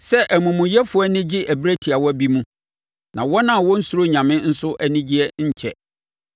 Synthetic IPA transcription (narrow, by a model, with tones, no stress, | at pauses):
sɛ˦ʔæ˨mũ˨mũ˨jɛ˦fʊ˦ɔ˦nɪ̃˦d͡ʑɪ˦ʔæ˨bɾæ˦tʰi˨a˨wɔ˦æ˦bi˦mũ˦ | nã̰˨wɔ˦nã˦˨wɔ̃˦n̩˦su˦ɾo˦ɲã˨mɪ̃˦n̩˦sʊ˦ʔæ˦nɪ̃˦d͡ʑi˦ɛ˦ɲ̩˦˨t͡ɕʰɛ̰˦˨